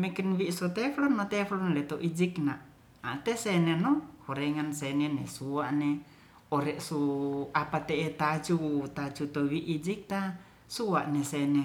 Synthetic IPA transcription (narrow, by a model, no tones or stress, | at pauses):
mɛkɛnwiʔsɔt̪ɛflɔnːɔt̪ɛflɔnlɛt̪ɔʔid͡ʒiknaʔ | at̪ɛsɛnɛnɔhɔɾɛŋansɛnɛnesuaʔne | ɔɾɛʔsuapat̪ɛʔɛt̪at͡ʃut̪at͡ʃut̪ɔwiʔid͡ʒik̚t̪a | suaʔnɛsɛnɛ